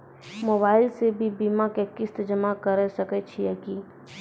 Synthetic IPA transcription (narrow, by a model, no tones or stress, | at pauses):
moːbaːɪlsebʱibiːmakekɪst̪əd͡ʒəmakəɾəsəkət͡ʃʰijɛːki